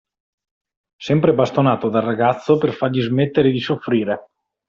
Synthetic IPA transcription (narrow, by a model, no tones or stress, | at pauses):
sɛmpɾebast̪onaːt̪od̪arːaɡat̪sːoperfarʎizmet̪ːeɾed̪isofːɾiːɾe